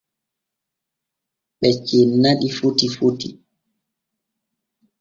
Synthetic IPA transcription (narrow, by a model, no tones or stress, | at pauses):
ɓɛt͡ʃːinːaɗifutifutḭ